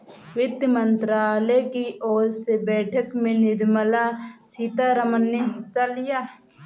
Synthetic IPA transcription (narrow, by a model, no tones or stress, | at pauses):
ʋɪd̪jmə̃nt̪ɾaːlɛkiʔoːɾsebɛːʈʰəkmẽnɪɾməlasiːt̪aɾəmənːeɦɪsalɪjaː